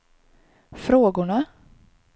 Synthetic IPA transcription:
fɾoːɡʊɳa

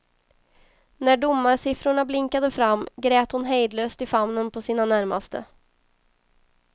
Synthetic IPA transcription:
næɖʊmːaɾsɪfɾʊɳablɪŋkad̪əfɾamːɡɾeːt̪hʊnɦɛjd̪løːst̪ɪfamnənpʰɔsiːnanæɾma̰st̪ə̰

